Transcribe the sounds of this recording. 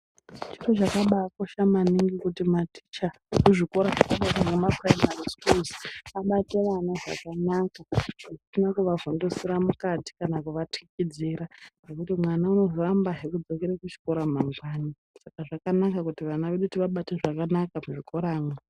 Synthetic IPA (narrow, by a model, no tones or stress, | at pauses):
t͡ʃirot͡ʃakaɓaːko̞ʃamaniŋɡikutimati̥t͡ʃa | kuʐiko̞ɾaʐakaɓaɗamemapraimariskuziaɓate̞ʋanaʐa̰kanaːkaaʐisinakuʋavo̞ndo̞siɾamukati̥kanakuʋatikid͡ziɾanekutimwanauno̞vorambaɦekud͡zo̞keɾakut͡ʃi̥ko̞ɾamaŋɡwaːni | sakaʐakanakakutiʋanaʋeɗutiʋaɓateʐakanakamuʐikʰo̞ɾaːŋa